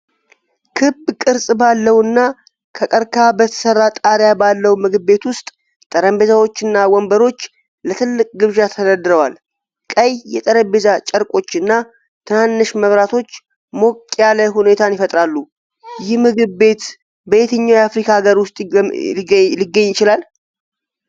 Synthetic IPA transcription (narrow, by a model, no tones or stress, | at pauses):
kʰɨbkʼɨɾsʼbalːəwɨnːa | kʰəkʼəɾkʰabət̪ʰə̥sərːat̪ʼaɾjabalːəwmɨɡɨbːe̞t̪wʊst̪ʼ | t̪ʼəɾəmbezawo̞t͡ʃːɨnːawɔmbəɾo̞t͡ʃː | lət̪ʰɨlːɨkʼɡɨβʒat̪ʰəd̪əd̪ɾəwal | kʼəjjɛt̪ʼəɾəmbezat͡ʃʼəɾkʼo̞t͡ʃːɨnːa | t̪ʰɨnanːɨʃməβɾat̪ʰo̞t͡ʃː | mo̞kʼjaləɦune̞t̪ʰanjɪfət̪ʼɾalːu | jɪhmɨɡɨβbe̞t̪ | bəet̪ʰəɲːawjafɾikʰaɡəɾwʊst̪ʼ | lɪɡːəɲːjɪt͡ʃɪlal